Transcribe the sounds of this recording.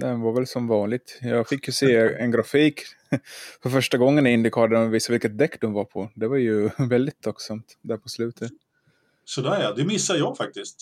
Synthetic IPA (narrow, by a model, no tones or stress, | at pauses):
d̪ɛnvaɾvɛlsɔmvɑːnlɪɡ̚t̪jɑːɡfɪkːjɵseːɛnɡɾafiːk | fœɾfœʂʈaɡɔŋːənɪnd̪ɪkʰɑːd̪əviːsavɪlkət̪̚d̪ɛkːd̪ʊnvaɾpʰɔd̪ɛvaɾjɵvɛld̪ɪt̪ʰːakːsamt̪d̪æːɾpʰɔslʉ̟ːt̪ʰət̪ | sɔd̪ɛæɾjɑd̪ɛmɪsːajɑːɡfak̚t̪ɪst̪